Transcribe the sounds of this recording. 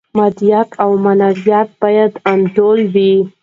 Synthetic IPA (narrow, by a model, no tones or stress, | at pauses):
mad̪jat̪ʰawmanaɾjɑt̪̚bɑjad̪anɖolwi